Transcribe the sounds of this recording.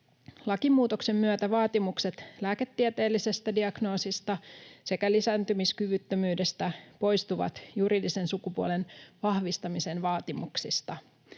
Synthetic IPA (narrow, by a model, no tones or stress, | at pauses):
lɑkimuːt̪okse̞mːyøt̪æʋɑːt̪imukse̞t̪læːke̞t̪ːieɛt̪e̞ːlːise̞st̪ædiɑɡno̞ːsist̪ɑse̞kælisæːnt̪ymiskyʋyt̪ːømyːde̞st̪æpo̞jst̪uʋɑ̰t̪juɾiːdise̞nsukupuo̰le̞nʋɑhʋist̪ɑmise̞nʋɑːt̪imuksist̪ɑ